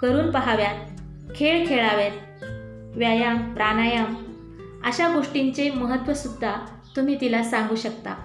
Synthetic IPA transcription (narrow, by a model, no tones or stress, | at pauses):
kəɾuːnpəɦaʋjat̪̚ | kʰeɭkʰeɭaʋjat̪̚ | ʋjajamɾanajam | əɕaɡoʂʈiɲt͡seməɦət̪ʋəsud̪ʱːa | t̪um̤iːt̪ilasaŋɡuːɕəkt̪a̰